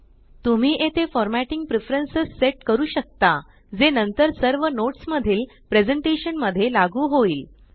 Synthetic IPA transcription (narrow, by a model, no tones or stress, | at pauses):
t̪um̤iːʔet̪efɔɾmæʈiŋɡ̚pɾifɾənsəsːeʈkəɾuːɕək̚t̪a | d͡zenənt̪əɾsəɾʋənoʈsməd̪ʱiːl | pɾed͡zəɳʈeɕənməd̪ʱːjelaɡuːɦoiːl